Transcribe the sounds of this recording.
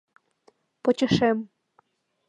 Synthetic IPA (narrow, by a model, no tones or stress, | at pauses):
pŏt͡ɕɤ̆ʃem